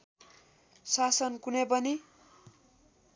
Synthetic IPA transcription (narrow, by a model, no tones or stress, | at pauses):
sasʌnkunepʌni